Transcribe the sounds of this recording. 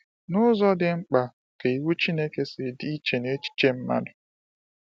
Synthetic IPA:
nʊ˦zɔ˦dɪ˨ŋ͡m̩˦k͡pa˨ | ke˨i˨wu˦t͡ʃi˦ne˦ke˦sɪ˨di˦t͡ʃe˨ne˦t͡ʃi̥˦t͡ʃe˦m̩˦ma̰˦dʊ˨

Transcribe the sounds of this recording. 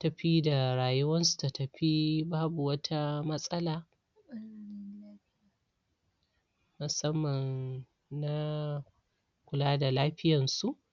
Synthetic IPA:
tɐ˨ɸi˦da˨ɾaː˨jʊ˦wɐ˦nsu̥˨ta˨tɐ˨ɸi˦baː˦bu˨wɐ˦tʰa˦mɐ˦sʼɐ˦laː˨˦˨ | n˦laː˦ɸɪ˦ja˨ | mʊ˨sɐ˦mːɐ˨n | na˦ | kʷʊ˨laː˦da˨laː˦ɸɪ˦jɐ˨nsu˦˨ʔ

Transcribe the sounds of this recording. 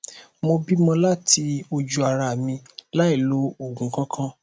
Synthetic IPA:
mo˧bi˦mɔ̃˧la˦tʰi˧o˧d͡ʒu˧a˧ɾa˧˨mĩ˧la˦i˦˨lo˨˦o˦˨ɡũ˨˦kã˦kʰã˦

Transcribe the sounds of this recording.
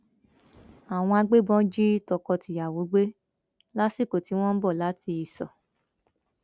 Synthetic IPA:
a˨w̃ɔ̃˧a˧ɡ͡be˦bɔ̃˦d͡ʒi˦tɔ˧kɔ˧ti˨ja˨wo˨˦ɡ͡be˦ | la˦si˦˨ko˨ti˨˦w̃ɔ̃˦n̩˦bɔ˦˨la˨˦ti˧i˧˨sɔ̰˨

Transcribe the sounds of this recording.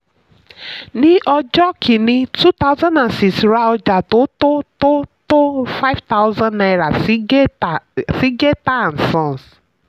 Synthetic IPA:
nɪ˦ʔɔ˦d͡ʒɔ˦kʰi˨nɪ˦tu˦ta˦ʊ˦za˦na˨n̩˨si˨sɾa˦ɔ˦d͡ʒa˨tʊ˦tʊ˦tʊ˦tʊ˦fa˦ɪ˦vta˦ʊ˦zã˦nna˨ɪ˨ɾa˨˦ | si˦ɡe˦ta˦˨n̩˨sɔ̃˦˨n˨s

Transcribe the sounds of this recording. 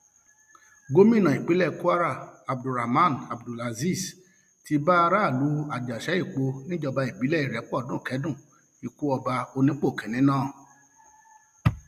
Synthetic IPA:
ɡo˦mĩ˦˨nã˨i˨k͡pe˨˦lɛ˦˨ku˦a˦ɾa˦˨a˨b̚du˨ɾa˨mã˦˨na˨bdu˨la˨zi˦˨s | ti˧˦ba˦˧ɾa˦˨lu˨˦a˨d͡ʒa˨ʃɛ˨˦i˦˨k͡po˧nĩ˦d͡ʒɔ˧ba˧i˨bi˨˦lɛ˦˨i˨ɾɛ˨˦k͡pɔ˦˨dũ˦˨kɛ˨˦dũ˦˨ | i˨ku˨˦ɔ˧ba˧o˧nĩ˦k͡po˦˨kɛ̃˨nĩ˨˦nãː˦˨

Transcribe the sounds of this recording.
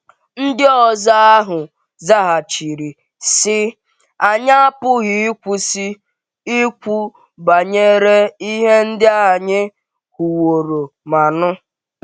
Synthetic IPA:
n̩˦dɪ˦ɔ˨za˦a˦ɦʊ˨ | za˦ɦa˨t͡ʃi˨ɾi˨ | sɪ˦ | a˨ɲ˦a˦a˦pʊ˦ɣɪ˨i˦kʷu˦si˦ | i˦kʷu˦ | ba˨ɲe˦ɾe˦i˦ɦe˦n̩˦dɪ˦a˦˨ɲɪ˦ | hu˨wo˨ɾo˨ma˨nʊ˦

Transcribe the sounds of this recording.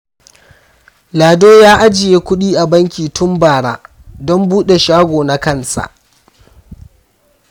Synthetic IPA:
laː˨doː˦jaː˦ʔa˦d͡ʒɪ˨jeː˦kʷʊ˦ɗiː˦ʔa˨bɐ˦ŋkʲiː˨tʰʊ˦mbaː˨ɽa̰ː˦ | dɔ˦mbuː˦ɗe˨ʃaː˦ɡʷoː˨na˦kɐ˦nsa̰˨ʔ

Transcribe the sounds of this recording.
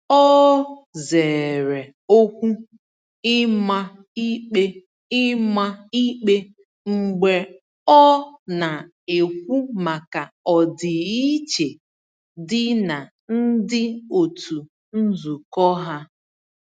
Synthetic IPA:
ɔ˦ze˨ɾe˨ | o˦kʷu˦ | ɪ˦ma˦ | i˦k͡pe˦ | ɪ˦ma˦i˦k͡pe˦ | ŋ͡m̩˨ɡ͡be˨ | ɔ˦na˨ | e˨kʷu˦ma˨ka˨ɔ˨dɪ˨i˦t͡ʃe˨ | dɪ˦na˨ | n̩˦dɪ˦o˨tu˨ | n̩˦zu˨kɔ˦ɦa˦

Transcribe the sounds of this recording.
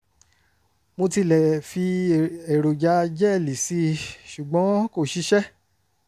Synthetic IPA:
mo˧ti˧lɛ˨fi˧e˨ɾo˨d͡ʒa˧˦d͡ʒɛ˦˨li˨si˨˦ʃu˨ɡ͡bɔ̃˨˦ko˦˨ʃi˦ʃɛ˦

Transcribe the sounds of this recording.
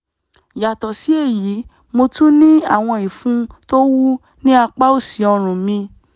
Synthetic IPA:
ja˨tɔ˨si˨˦e˦˨ji˨˦ | mo˧tũ˦nĩ˦a˦˨w̃ɔ̃˧i˨fũ˨˦to˦wu˦ | nĩ˦a˧k͡pa˦o˦˨si˨˦ɔ˧ɾ̃ũ˨mĩ˧

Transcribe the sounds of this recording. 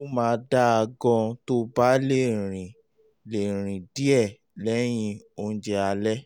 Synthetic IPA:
o˦mãː˧da˦a˧ɡɔ̃˧to˦ba˦le˦˨ɾ̃ĩ˨ | le˨ɾ̃ĩ˨di˦ɛ˦˨ | lɛ˨˦j̃ĩ˦˧o˧n̩˦d͡ʒɛ˧a˧lɛ˦

